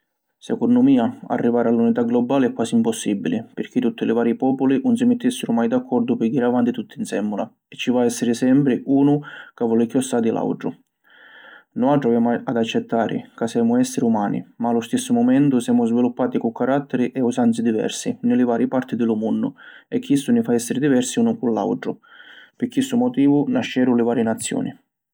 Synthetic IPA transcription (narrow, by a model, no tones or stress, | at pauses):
sɛkɔndʊmiːaa̰rːivaːɾalːunit̪aɡlɔbːaːlɪɛkːwaːsiimpɔsːibːilipɪrk̟it̪ːut̪ːilɪvaːɾjipɔːpʊlinʊnsimɪt̪ːisːɪɾʊmajd̪akʰːɔrd̪ʊpɪɡiɾavant̪it̪ut̪ːinsɛmːula | ɛt͡ʃːivaɛsːɪɾɪsɛmpɾɪʔuːnʊkavɔlikjɔst̪aːd̪ilʔa̰wʈɾʊ̰ | nʊawʈ̪ːɾʊavɛmaad̪at͡ʃːɛt̪ːaːɾʔɪ̰kasːjɛːmʊɛsːɪɾiumaːnḭmaːlːʊst̪isːʊmɔmɛnt̪ʊsjaːmʊzvilupːaːt̪ikukːaɾat̪ːɛɾiʔɛusant̪sid̪ivɛ̰rsinɪlɪvaːɾjɪpaɾt̪id̪ɪlumunːʊ̰ɛkʰːisːunifaɛsːɪɾid̪ivɛrsiuːnʊkulːa̰wɖɾʊpɪkːisːumɔt̪iːvunaʃːɛːɾʊlɪvaːɾjɪnat̪sːjɔ̰ːnḭ